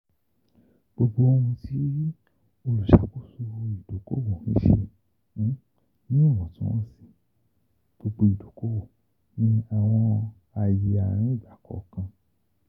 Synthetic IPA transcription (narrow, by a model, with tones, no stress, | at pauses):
ɡ͡bo˧ɡ͡bo˦˧o˧ũ˧ti˦ | o˧lu˨ʃa˨˦ku˦˨su˧i˨d̥o˨ko̰˦bo˨nḭ̃˨˦ʃḛ̃˧˦ | nĩ˦o˦˨w̃ɔ̃˨tĩ˦w̃ɔ̃˦si̥˦˨ | ɡ͡b̥o˧ɡ͡bo˧i˨do˨ko˦bo˦˨ | nĩ˦a˨w̃ɔ̃˧ | a˨ji˧a˨ɾ̃ĩ˦i˦˨ba˨kɔ̰˨˦kã˧